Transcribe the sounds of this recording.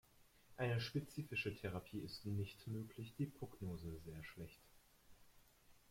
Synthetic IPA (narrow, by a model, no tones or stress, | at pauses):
ʔaɪnəʃpet͡siːfɪʃətʰeʁ̞apʰiːɪstnɪçtmøːkʰlɪçd̥iːpʁ̥oɡnoːzəzeːɐʃlɛçt